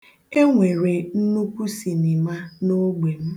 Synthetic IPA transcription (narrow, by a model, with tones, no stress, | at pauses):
e˦ŋʷe˨ɾe˨n̩˦nu˦kʷu˦si˨ni˨ma˦no˦ɡ͡be˨m̩˦